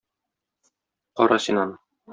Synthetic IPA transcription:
qɒɾɑsinɑn

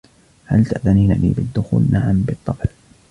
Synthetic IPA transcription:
halt̪aʔðaniːna̰nḭːbɪd̪ːʊxuːlnaʕambɨt̪ˤːɑfl

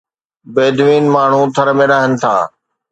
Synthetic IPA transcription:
beːd̪ʋiːnmaːɳ̤ũt̪ʰɐɾəmẽɾɐɦənɪ̆t̪ʰa̰ː

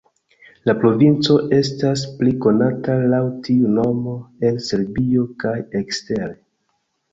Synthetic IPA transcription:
lapɾo̞vint͡so̞ʔe̞staspliko̞natalawtiuno̞mo̞e̞lse̞ɾbio̞kaje̞kste̞ɾe

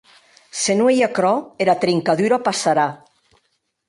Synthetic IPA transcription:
senuejakɾɔeɾat̪ɾiŋkaðuɾapasaɾa

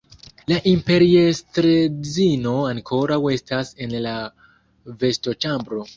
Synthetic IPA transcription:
laʔimpe̞ɾiestɾed͡zino̞aŋkʰo̞ɾawe̞stase̞nla | ve̞sto̞t͡ʃambɾo̞

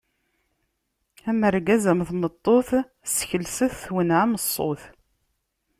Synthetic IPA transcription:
æməɾɡæzæmθmət̪ˤːoθ | sçəlsəθθwənʕaməsˤːo̰θ

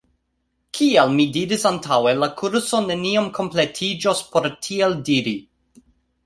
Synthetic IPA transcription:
kʰialmidiɾisantʰawelakʰuɾso̞ne̞niomkʰo̞mpletʰid͡ʒospo̞ɾtʰieldiɾi

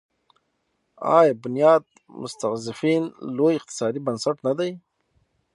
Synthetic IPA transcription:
ɑ̰jbʊnijɑːd̪̚ | mʊ̰st̪aɣzɪfinlojɪq̚t̪ɪ̥sɑd̪ibansaʈnad̪aj

